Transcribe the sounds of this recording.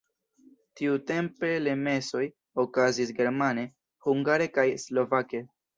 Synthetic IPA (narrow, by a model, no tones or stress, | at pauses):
tiute̞mpe̞le̞me̞so̞j | okazis̬ɡe̞ɾmane̞ | huŋɡaɾe̞kajslo̞vake̞